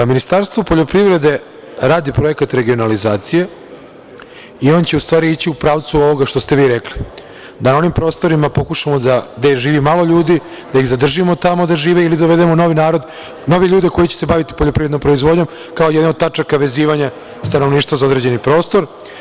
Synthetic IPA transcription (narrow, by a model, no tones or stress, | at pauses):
minist̪aɾst̪ʋopoʎo̞pɾiʋɾe̞d̪e̞ | ɾaːd̪ipɾo̞e̞kat̪ɾe̞ɡio̞nalizaːt̪sije | io̞ːnt͡ɕe̞ust̪ʋaːɾiit͡ɕiupɾaːʋt̪suo̞ʋo̞ɡaʃt̪o̞st̪e̞ʋiːɾekli | d̪anao̞nimpɾo̞ːst̪o̞ɾimapo̞kuʂamo̞d̪ad̪eʒiːʋimalo̞ʎuːd̪i | d̪aiɣzad̪r̩ʒimo̞t̪amo̞d̪aʒiːʋeilid̪oʋe̞d̪emo̞no̞ʋinaːɾo̞d̪ | no̞ʋeʎuːd̪eko̞jit͡ɕese̞baʋit̪i̥poʎo̞pɾiʋɾenompɾo̞izʋo̞d̪ɲo̞m | kao̞jed̪naod̪̚t̪at͡ʂakaʋe̞ziːʋaɲa | st̪anoʋniːʃt̪ʋazaod̪ɾe̞d͡ʑe̞nipɾo̞ːst̪o̞ɾ